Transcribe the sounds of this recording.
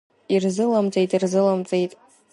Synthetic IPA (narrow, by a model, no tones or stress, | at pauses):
irzɨlamt͡sʼejtʼirzɨlamt͡sʼejtʼ